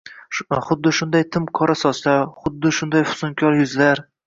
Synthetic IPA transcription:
χʊd̪ːɪʃʊnd̪ajt̪ʰɪmkʰɒɾasɒslaɾχʊd̪ːɪʃʊnd̪ajfʊ̥sʊŋkʲʰɒɾjʊzlaɾ

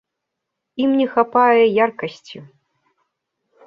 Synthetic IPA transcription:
imnʲɛxapajɛjarkɐsʲt͡sʲi

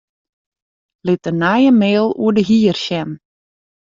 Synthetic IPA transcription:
lɪtənajəmeːlˠuədəɦiːərʃɛm

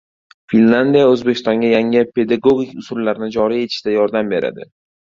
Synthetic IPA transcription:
finland̪ijaɵzbe̞kʰʲɪst̪ɒŋɡʲajaŋɪpʰe̞d̪aɡoɡʲikʲʊsʊɾlaɾɪnɪd͡ʒɒɾije̞t̪ʰɪ̥ʃt̪ajɒɾd̪ambe̞ɾa̰d̪ɪ̰

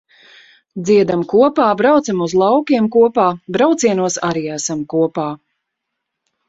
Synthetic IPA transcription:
d̪ziɛd̪amkuɔpaːbɾawt̪samuzlˠawkiɛmkuɔpaːbɾawt̪siɛnuɔsaɾiːæsamkuɔpaː

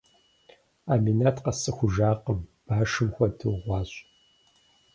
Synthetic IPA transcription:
aːminatʰqɐsɨxʷʊʒaːqəmb̥aːʃɨmxʷɐdʰɨʁʷɑːɕʼ

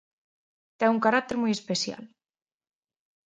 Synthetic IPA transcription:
t̪ɛŋuŋkaɾat̪eɾmujespesja̰l

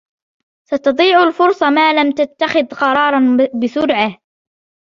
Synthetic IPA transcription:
sɑt̪ɑd̪ˤiːʕʊlfʊɾsˤɑmaːlamt̪at̪ːaxɪðqɑɾˤɑːɾˤɑnbɪsʊɾʕah

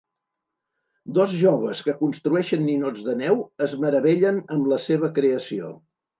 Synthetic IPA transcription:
d̪ozʒoβ̞əskəkunst̪ɾuɛʃənːinod͡zðənɛwəzməɾəβ̞ɛʎənəmləseβ̞əkɾeəsio̰

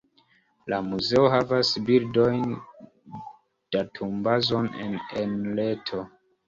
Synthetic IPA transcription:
lamuze̞oɦavasbildo̞jn | d̥atʰumbazo̞nḛnenle̞tʰo̞

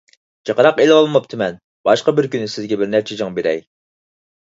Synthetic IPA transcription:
t͡ʃʰəqəɾɑqelɪɑlˠmɑp̚t̪ʰɪmɛn | b̥ɑʃqɑbɪɾkʲynːɪsɪzɡʲɛbɪɾnæɾt͡ʃʰɛd͡ʒɑŋbeɾɛ̰j

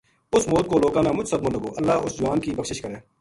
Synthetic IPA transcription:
ʊsmoːt̪̚koːloːkãːnaːmʊd͡ʒsəd̪b̪mõːləɡoːʔəlːaːʊsd͡ʒʊaːnkiːbəkʃɪʃkəɾẽː

